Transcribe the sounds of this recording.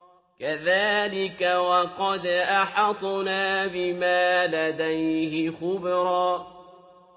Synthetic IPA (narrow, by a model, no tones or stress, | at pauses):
kaðaːlɪkawɑqɑd̪ʔaħɑt̪ˤnaːbɪmaːlad̪ajhɪxʊbɾɑː